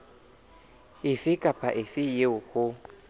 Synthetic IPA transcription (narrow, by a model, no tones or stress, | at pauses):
ɪfɪkʼapʰʼaʔɪfɪjeʊkʰʊ